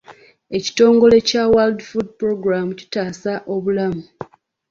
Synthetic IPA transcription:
e̞ci̥to̞ːŋɡo̞le̞cawaldfud̚pɾo̞ɡɾamuci̥taːsaʔo̞βulamu

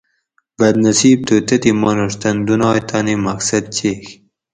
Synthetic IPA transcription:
bɐd̪̚nɐsiːb̚t̪ut̪ɐt̪imonoʂt̪ɐnd̪unɑːjt̪ɑːnimɐksɐd̪̚t͡ɕeːx

